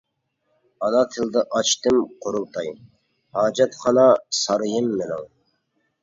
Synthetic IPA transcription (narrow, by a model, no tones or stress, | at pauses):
ɑnɑt̪ʰɨlˠd̪ɨʔɑt͡ʃt̪ɨmqʰoɾulˠt̪ʰɑj | hɑːd͡ʒɑt̪χɑnɑsɑɾɨjɨmːɪnɪ̰ŋ